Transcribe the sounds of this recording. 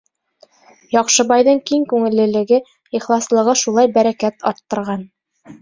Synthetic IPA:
jɒqʃɤ̆bɑjðɤɴkiŋkʉŋɘ̆lːɘ̆lɘ̆ɡɘ | iχlˠɑslˠɤ̆ʁɤʃulˠɑjbæɾækæt̪ɒ̰ɾt̪ːɤ̆ɾʁɑn

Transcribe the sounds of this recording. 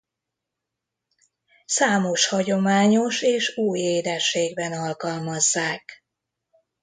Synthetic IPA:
saːmo̞ʃhɒɟo̞maːɲo̞ʃeːʃuːjeːd̪ɛʃeːɡbɛnɒlkɒlmɒzːaːk

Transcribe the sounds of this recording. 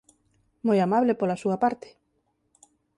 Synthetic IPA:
mojamaβlepolasuapaɾt̪e̥

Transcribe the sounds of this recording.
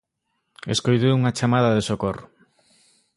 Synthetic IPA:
eskojt̪̬euŋat͡ʃamaðaðesokorʊ

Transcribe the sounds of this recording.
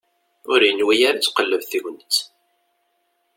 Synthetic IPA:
ʊɾjənwijaɾat͡sːqəlːəvθiʝʷənət͡sː

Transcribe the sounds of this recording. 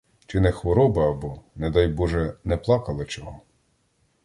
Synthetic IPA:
t͡ʃɪnɛxʋɔɾɔbɐːbɔned̪ɑjbɔʒɛnɛplˠɑkɐlˠɪt͡ʃɔɦɔ

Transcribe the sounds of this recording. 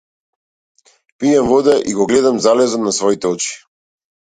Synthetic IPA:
pijɛmvɔd̪ɛʔiɡɔɡlɛd̪amzalɛzɔt̪nasvɔit̪ɛɔt͡ʃi̥

